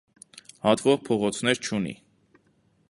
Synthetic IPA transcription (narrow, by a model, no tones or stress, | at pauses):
hɑt̪vɔʁpʰɔʁɔt͡sʰn̪ɛɾt͡ʃʰunḭ